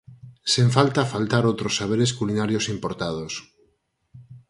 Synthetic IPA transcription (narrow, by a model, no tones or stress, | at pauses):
sẽɱfalt̪afalt̪aɾowt̪ɾosːaβ̞eɾeskulinaɾjosimpoɾt̪að̞os